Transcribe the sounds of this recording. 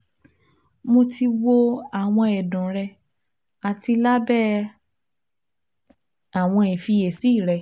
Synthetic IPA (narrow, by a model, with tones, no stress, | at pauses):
mo˧ti˧wo˧a˨w̃ɔ̃˧ɛ˨dũ˨ɾɛ˧ | a˨ti˧la˦bɛ˦ | a˨w̃ɔ̃˧i˨fi˧e˨si˨˦˨ɾɛ˧